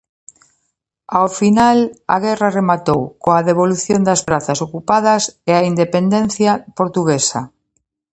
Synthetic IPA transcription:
awfinala̰ɣɛraremat̪owkoaðeβ̞oluθjond̪ɐsβɾaθasokupað̞ɐseaind̪epend̪en̟θjapoɾt̪uɣesa̰

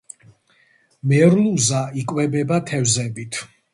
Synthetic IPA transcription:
mɛɾluzaikʼwɛbɛbat̪ʰɛvzɛbit̪ʰ

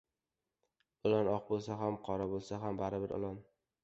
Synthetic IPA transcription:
ʊlanɒqbolˠsaɦamqʰɒɾabolˠsaɦambaɾɪbɪɾɒ̰lˠɒn

